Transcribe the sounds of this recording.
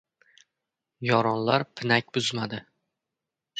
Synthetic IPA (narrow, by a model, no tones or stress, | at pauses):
jɒɾɒnlaɾpʰɪnak̚ʲbʊzmad̪ɪ